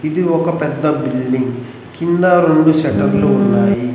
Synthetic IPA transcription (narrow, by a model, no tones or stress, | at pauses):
id̪iokːɐpɛd̪ːɐbilːiŋɡ | kind̪aɾeɳɖuʃɐʈːɐɾluunːaːji